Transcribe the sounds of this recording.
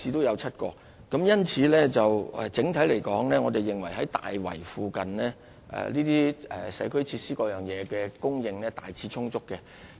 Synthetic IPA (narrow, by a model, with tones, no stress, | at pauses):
iː˧t̪o˥wjɐ˨˧wt͡sʰɐ˥t̚kɔː˧ | kɐ˨˥mjɐ˥nt͡sʰiː˨˧lɛː˥t͡sɐ˨wɛ̰˨t͡sɪ˨˥ŋt̪ʰɐ˨˥jle˨˩jkɔː˨˥ŋlɛː˥ŋɔː˨˧t̪e˨jːɪ˨ŋwɐ˨˩jɦɐ˨˦jt̪a̰ː˨jwɐ̰˨˩jfuː˨˧kɐ˨nlɛː˥ | ʔɛ̰˨liː˥t̪iː˥ɛ̰˨sɐ̰˨˥jkʰɵ˥ɥt͡sʰiː˧t̚siː˥kɔː˧jœː˨˩ŋjɛː˨˧kɛː˧kʊ˥ŋjɪ˧ŋlɛː˥t̪aː˨jt͡sʰiː˨˥t͡sʰʊ˥ŋt͡sʊ˥kːɛ˧